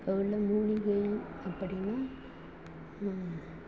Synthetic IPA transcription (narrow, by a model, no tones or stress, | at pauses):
ɐʋɯɭːɐmuːɻɪɣɐɪɐpːɐɽɪnaː